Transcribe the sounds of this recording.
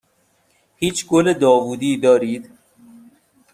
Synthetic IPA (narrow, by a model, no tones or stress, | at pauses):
hiːt͡ʃʰɡoled̪ɒːvuːd̪iːd̪ɒːɾiːd̪